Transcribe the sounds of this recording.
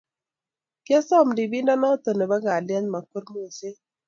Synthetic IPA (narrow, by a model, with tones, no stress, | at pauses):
kja˦sɔ˦˨mdi˨bi˦ndɔ˦nɔ˦t̪o˨ne˨ba˦ŋɡa˨ljɛ˦nma˨ko˦ɾm˦o˨se˦